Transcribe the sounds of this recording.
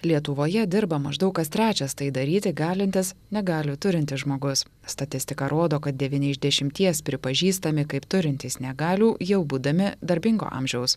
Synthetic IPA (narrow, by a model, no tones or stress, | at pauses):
lʲiɛt̪ʊʋoːjɛd̪ʲɪɾbɐmɐʒd̪ɐʊkkɐst̪ʲɾʲæːt͡ʃʲɛst̪ɐɪd̪ɐɾʲiːt̪ʲɪɡɑːlʲɪnʲt̪ʲɪsnʲɛɡɑːlʲɪt̪ʊɾʲɪnʲt̪ʲɪsʒmoːɡʊs | st̪ɐt̪ʲɪsʲt̪ʲɪkɐɾoːd̪oːkɐt̪̚d̪ʲɛʋʲiːnʲɛɪzʲd̪ʲɛʃʲɪmʲt̪ʲiɛspʲɾʲɪpɐʒʲiːst̪ɐmʲɪkɐɪpt̪ʊɾʲɪnʲt̪ʲiːsnʲɛɡɑːlʲuːjɛʊbuːd̪ɐmʲɪd̪ɐɾʲbʲɪŋɡo̰ːʔɑ̰ːmʲʒʲɛʊs